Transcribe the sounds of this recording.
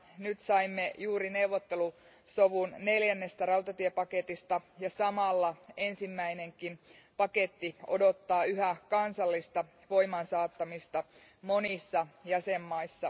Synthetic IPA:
nyt̪sɑimːejuːɾine̞uwʋːot̪ːe̞lu | soʋunne̞ljænːe̞st̪ærɑut̪ɑt̪iepɑket̪ist̪ɑjɑsɑmɑlːɑe̞nsimːæine̞ŋkinpɑke̞t̪ːio̞̰do̞t̪ːɑːyɦækɑnsɑlːist̪ɑ | ʋoimɑnsɑːt̪ːɑmist̪ɑ | mo̞nisːɑjæsemːɑisːɑ

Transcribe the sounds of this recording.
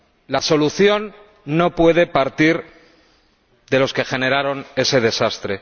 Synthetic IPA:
laso̞luθjo̞nː | o̞pwe̞ð̞e̞paɾt̪iɾ | ðe̞lo̞ske̞xe̞ne̞ɾaɾo̞ne̞se̞ðe̞sast̪ɾe̞

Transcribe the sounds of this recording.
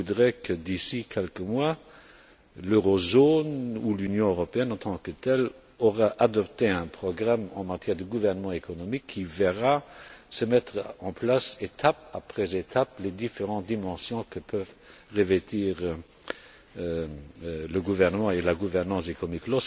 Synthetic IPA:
ud̪ʁɛkʰəd̪isikʰɛlkəmwa | løʁɔzonulynjɔ̃øʁɔpeɛnɑ̃t̪ʰɑ̃kət̪ɛl | ɔʁaʔad̪ɔpt̪eɛ̃pχɔɡʁamɑ̰̃mat̪jɛːʁd̪əɡuvɛʁnəmɑ̃ekɔnɔmikʰːivɛʁasəmɛt̪χɑ̃plaset̪ʰap̚apχɛzet̪ʰapled̪ifeʁɑ̃t̪̚d̪imɑ̃sjɔ̃kəpʰœv | ʁevɛt̪ʰiːʁ | ləɡuvɛʁnəmɑ̃elaɡuvɛʁnɑ̃sekɔmiklɔs

